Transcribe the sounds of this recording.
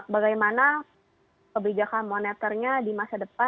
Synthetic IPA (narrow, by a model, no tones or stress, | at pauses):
baɡajmana | kəbid͡ʒakanmonɛt̪ərɲadimasadəpa